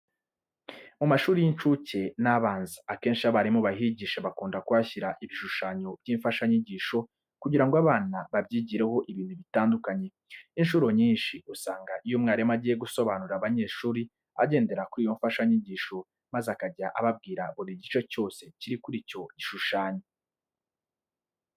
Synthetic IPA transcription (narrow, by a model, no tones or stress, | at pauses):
mumaʃuːɾijint͡ʃuce̞naβaːnzaake̞ːnʃiaβaɾimoβahiɟiːʃaβakuːndakuaçiɾaʔiβiʃuʃaːɲob̥̚ɟiːɱfaʃaɲiɟiːʃo̞ | kuɟiɾaŋɡoaβaːnaβabjiːɟiɾe̞ho̞ʔiβiːn̤̥uβitaːndukaɲe̞ | inʃuɾo̞ɲiːnʃiusaːŋɡaʔijomŋaːɾemaɟije̞ɡuso̞βanuɾaβaɲe̞ːʃuːɾi | a̰ɟe̞ːnde̞ɾakuɾiːjo̞ɱfaʃaɲiɟiːʃo̞ | mazakaɟaʔaβab̚ɡiːɾaβoɾiɟit͡ʃo̞co̞ːse̞ciɾikuɾiːco̞ɟiʃuʃaːɲo